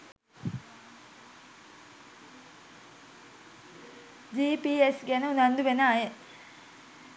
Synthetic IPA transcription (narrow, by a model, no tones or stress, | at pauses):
d͡ʒiːpiesɡænəunand̪uʋenaːje